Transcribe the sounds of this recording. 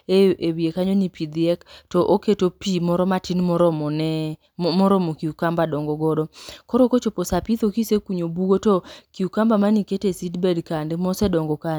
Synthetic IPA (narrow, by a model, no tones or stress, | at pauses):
eewiekaɲonipid̪ɪɛktɔʔoketopimɔɾɔmatinmɔɾɔmɔnɛ | mɔɾɔmokiukambadɔŋɡɔɡɔdɔkɔɾɔkot͡ʃoposapit̪okisekuɲobuɡotɔkiukambamaniketesidbɛdkandemɔsɛdɔŋɡɔka